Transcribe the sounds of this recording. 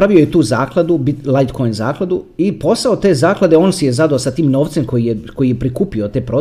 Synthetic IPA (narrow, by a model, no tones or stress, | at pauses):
ɾaʋiojet̪uːzaːklˠad̪ubit̪lˠajd̪kʰo̞jnzaːklˠad̪uipo̞saot̪e̞ːzaːklad̪eoːnsijezad̪aːsat̪iːmno̞ːʋt̪semkojijeko̞jijepɾikuːpiot̪e̞ːpɾo